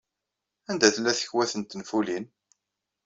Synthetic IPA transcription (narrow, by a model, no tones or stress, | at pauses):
ænd̪æθəlːæθə̥çwæθənt̪ːnfulin